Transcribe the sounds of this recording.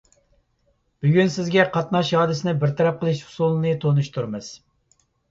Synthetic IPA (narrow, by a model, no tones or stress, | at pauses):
b̥yɡʲynsɪzɡʲɛqʰɑt̪nɑʃhɑːd̪ɪsɪnɪbɪɾt̪ʰɑɾɑp̚qʰəlˠɨʃhu̥sulˠɨnɨt̪ʰonuʃt̪ʰuɾmɨz̥